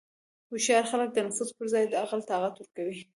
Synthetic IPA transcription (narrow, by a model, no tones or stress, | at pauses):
huʃjɑɾxalək̚d̪ənafuzpəɾzɑjd̪əɑɣalt̪ɑɣat̪wʊɾkawi